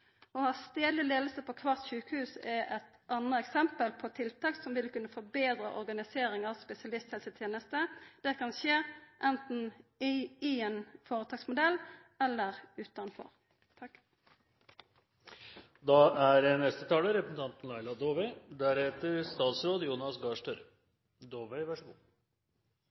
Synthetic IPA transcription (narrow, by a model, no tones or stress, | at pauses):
ɔhɑst̪eːlɪleːd̪l̩səpʰɔkʰʋɑʁt̪ʃʉːkəhʉːsɛʔɛt̪ʔɑnəɛksɛmpəlpʰɔt̪ʰɪlt̪ʰɑːksɔmʋɪlkʉnːəfɔʁbeːd̪ɾəʔɔʁɡɑnɪseːɾɪŋɑʋspɛsɪɑlɪst̪hɛlsət̪ʰjeːnəst̪əd̪̥ɛkʰɑnʃeːʔɛnt̪n̩ | ɪɛnfoːʁət̪ɑːɡsmʊd̪ɛlː | ɛlːəʁʉːt̪ɑnfɔ̰ʁ | t̪ʰɑ | d̪ɑæɾənɛst̪ət̪ʰɑːləɾɛpɾəsn̩t̪ɑnt̪n̩lɑɪlɑd̪oːʋəɪd̪æɾheːt̪əɾst̪ɑːt̪sɾoːd̪əjuːnɑsɡɑːʂʈəɾ | d̪oːʋæɪʋɑʂku